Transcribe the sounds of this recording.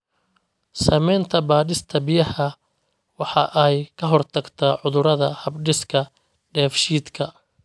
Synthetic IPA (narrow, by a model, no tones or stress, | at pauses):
sɐmɛjnt̪ʰɐbaːðɪst̪ʰɐbɪjɐhɐ | wɑħɑʔɛjkʰɐɦɔrt̪ʰɐɡt̪ʰɐʕʊðʊɾɐðɐhɐbɖɪskʰɐ | ɖɛːfʃiːd̪kʰɐ